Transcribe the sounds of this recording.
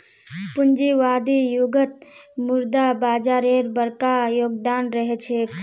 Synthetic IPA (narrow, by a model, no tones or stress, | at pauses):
pund͡ʒiʋad̪ijuɡət̪̚muɾd̪abaːd͡ʒaɾeɾbəɾkajoːɡd̪aːnɾəɦɛt͡ʃʰe